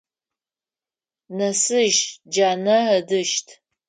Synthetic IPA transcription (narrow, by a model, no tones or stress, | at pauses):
nɐsɨʒd͡ʒaːnɐɐdɨʃtʰ